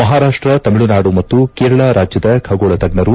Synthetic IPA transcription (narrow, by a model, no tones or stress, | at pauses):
mɐɦaːɾaːʂʈɾɐt̪ɐmiɭunaːɽumɐt̪ːukeːɾɐɭaɾʔaːd͡ʒjɐd̪ɐkʰɐɡoːɭɐt̪ɐɡ̚nɐɾu